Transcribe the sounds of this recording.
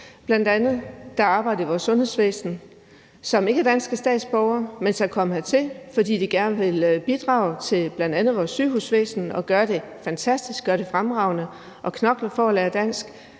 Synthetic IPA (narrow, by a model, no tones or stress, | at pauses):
b̥lænd̥ænð̞̩ˠd̥ɑ̈ɑ̈ːb̥ɑ̈ɪ̰d̥̩ˠiʋɒ̰ːsːɔ̽nhe̝ðˠsʋḛːsn̩ | sɒ̽me̝ɡəæɐd̥æn̰sɡ̥əsd̥ɛ̰ːd̥sb̥ɒʊɐmensɑ̈kʰɒ̽məhæt͡sʰe̝lfɒ̽d̥ḭːd̥iɡ̥æɐnəʋe̝lb̥id̥ʁɑ̈ːʊt͡sʰe̝lb̥læn̰d̥ænð̩ˠʋɒːsːyːhusʋḛːsn̩ɒ̽ɡ̥ɶɐɾe̝ | fænt͡sʰæsd̥isɡ̥ɶɐɾ̥e̝fʁamʁɑ̈ʊnə | ʔɒ̽kʰnɒ̽ɡ̥lɐfɒːlɛːɐd̥æn̰sɡ̥